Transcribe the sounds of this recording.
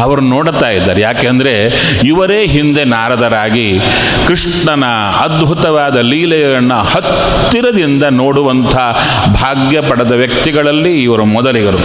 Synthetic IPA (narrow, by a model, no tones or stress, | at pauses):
ɐʋɐɾunoːɽt̪aːjid̪ːa̰ːɾejaːkeːɐnd̪ɐɾe̞ | iʋɐɾeːɦind̪e̞naːɾɐd̪ɐɾaːɡi | kɾiʂ | ɳɐnɐ | ɐd̪bʱut̪ɐʋaːd̪ɐliːlɐjɐɾɐnːuhɐt̪ː | iɾɐd̪ind̪ɐnoːɽuʋɐnt̪ʰɐ | bʱaːɡjɐpɐɽɐd̪ɐʋjɐkt̪iɡɐɭɐlːiːʋɐɾumɔd̪ɐliɡɐɾu